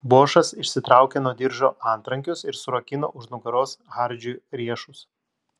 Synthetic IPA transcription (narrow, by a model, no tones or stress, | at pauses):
buːʃɐsɪʃʲsʲɪt̪ɾɑˑʊkʲenuɔd̪ʲɪɾʒoːɑˑnt̪ɾɐŋʲkʲʊsɪɾsʊɾɐkʲɪno̰ːʔʊʃnʊɡɐɾoːsɣɑˑɾʲd͡ʒʲuːɾʲiɛʃʊs